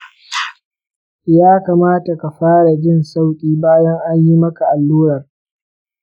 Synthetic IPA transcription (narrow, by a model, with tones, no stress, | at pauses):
jaː˦kaː˨maː˦ta˨ka˨ɸaː˦ɽa˨d͡ʒɪ˦˨nsa˦˨wkʲʼiː˦baː˦jɐ˦ŋʔa˦ɲji˦mɐ˦ka˨ʔa˨lːuː˦ɾɐ˨r